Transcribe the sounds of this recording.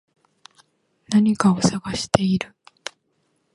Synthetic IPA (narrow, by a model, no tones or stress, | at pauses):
naɲ̟ikao̞saɡaɕi̥t̪e̞iɾɯ̟